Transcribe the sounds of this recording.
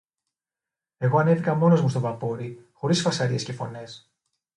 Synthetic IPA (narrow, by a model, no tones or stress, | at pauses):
e̞ɣo̞ɐne̞θikɐmo̞no̞zmust̪o̞vɐpo̞ɾixo̞ɾisfɐsɐɾie̞sce̞fo̞̰ne̞s